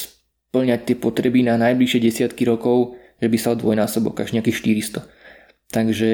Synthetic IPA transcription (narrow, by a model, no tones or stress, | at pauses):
s | pl̩ɲac̚t̪ɪɛpɔt̪ɾɛbinanajbliʃɪɛɟɛsɪat̪kiɾɔkɔʊ | ʒɛbisald̪ʋɔjnaːsɔbɔ̰kaʒɲɛakiːxʃt̪iɾist̪ɔ | t̪aɡʒɛ